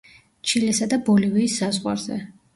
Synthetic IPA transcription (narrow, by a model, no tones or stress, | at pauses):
t͡ʃʰilɛsad̪abɔlivɛisːazʁwa̰ɾzɛ̰